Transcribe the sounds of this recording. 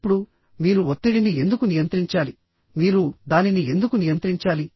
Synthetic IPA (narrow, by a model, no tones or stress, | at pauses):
pːuɽu | miːɾuot̪ːiɽinie̞nd̪ukunijɐnt̪ɾiɲt͡ʃaːli | miːɾud̪aːninie̞nd̪ukunijɐnt̪ɾiɲt͡ʃaːli